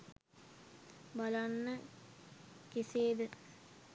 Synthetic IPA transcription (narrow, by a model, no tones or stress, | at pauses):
balanːə | kiseːd̪ə